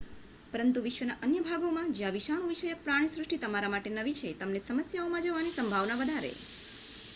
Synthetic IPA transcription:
pəɾənt̪uʋɪʃʋənaʔənjəbʱaɡomãd͡ʒeaʋiʃaɽ̃ũʋiʃəjək̚pɾaɽ̃isɾʊʂʈit̪əmaɾamaʈenəʋit͡ʃʰet̪əmnesəməsjaomãd͡ʒəʋanisəmbʱaʋnaʋəd̪ʱaɾḛ

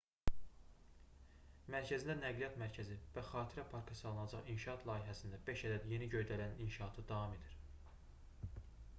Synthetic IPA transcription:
mæɾcʰæzind̪ænæɡlijɑt̪mæɾcʰæzivæχɑːt̪ʰiɾæpʰɑɾkʰɑsɑlˠɯnɑd͡ʒɑʁinʃɑɑt̪ʰlˠɑːiɦæsind̪æbe̞ʃæd̪æd̪je̞niɟø̞jd̪æɾænininʃɑt̪ʰɯd̪ɑvɑme̞d̪iɾ̥

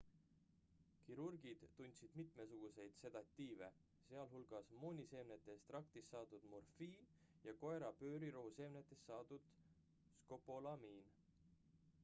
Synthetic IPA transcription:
kiɾurɡ̥id̪̥ːunʲt̪ʲsid̪̥mit̪me̞suɡ̥use̞jd̪̥se̞d̪̥ɑt̪ʲːiːve̞ | se̞ɑlɦulɡ̥ɑsmoːnʲise̞ːmne̞t̪ːˑe̞st̪rʔɑk̚t̪isːɑːd̪ud̪̥morfiːn | jɑko̞e̞ɾɑpø̞ːɾiɾoɦuse̞ːmnet̪ːˑe̞sːɑːd̪̥ud̪̥ | sko̞po̞lɑmiːn

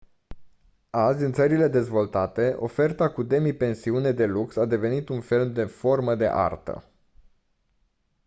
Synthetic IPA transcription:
azʲɨnt̪səɾile̞d̪e̞zvo̞lt̪at̪e̞ʔo̞̰fe̞rt̪akud̪e̞mipe̞nsiune̞d̪e̞luksad̪e̞ve̞nit̪unfe̞lmd̪e̞fo̞rməd̪e̞̰ʔa̰rt̪ə̰

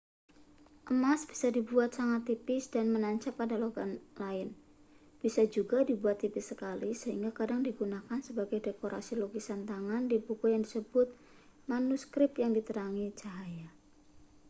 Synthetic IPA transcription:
ʔəmasb̥i̥sadibuat̪̚saŋat̪ːipɪsdanmənaɲt͡ʃapːadaloɡanlaɪn | b̥isad͡ʒuɡadibuat̪ːipɪssəkalisəɦiŋɡakadaŋdiɡunakansəbaɡajdekoɾʔa̰siloɡisant̪aŋandipukujaŋdisəbʊt̪̚ | manuskɾɪp̚t̪jaŋdit̪əɾaŋit͡ʃaɦaja

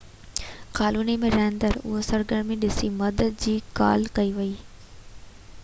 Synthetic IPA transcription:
kaːluːnimẽɾɛ̃ːnd̪əɾʊ̰ɦosəɾɡəɽmĩɗɪsimɐd̪əd̪̚d͡ʑiːka̰ːlkɐiʋɐiː

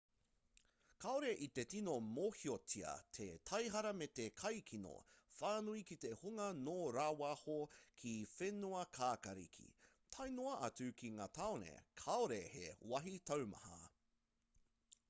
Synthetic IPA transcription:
kʰaoɾeʔit̪etinomoːhiot͡sʰiɐ̰t̪ʰet̪ʰɐjɦɐɾɐmet̪ekʰɐjkʰino̰faːnuikit̪e̞huŋɐnoːɾaːwahokʰifenuɐkʰaːkɐɾḭkʰḭ | t̪ʰɐjnoɐʔɐt͡sʉkʰiŋa̰ːt̪ʰaonḛkʰaoɾehḛwɐɦit̪ɐwmɐ̰hɐ̰

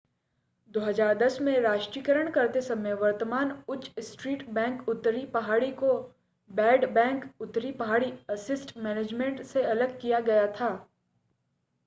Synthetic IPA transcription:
d̪oːɦɐzaːɾd̪ɐsmẽɾaːʃʈɾiːkəɾəɽ̃kɐɾt̪esɐmjəʋɐɾt̪əmaːnʊt͡ʃsʈɾiːʈbɛ̃ːŋkʊt̪ːɾipɐɦaːɽiko | bɛːɖbɛ̃ːŋkʊt̪ːɾipɐɦaːɽiɐsɪsʈmɛːneːd͡ʒmẽɳʈseɐləɡkijaɡɐjat̪ʰaː

